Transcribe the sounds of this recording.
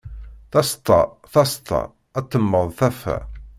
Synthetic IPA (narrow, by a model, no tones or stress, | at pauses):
θæst̪ːɑ̰ | θɑst̪ˤʰːɑ̰ | æt̪ːəmːəðˤθæfæ̰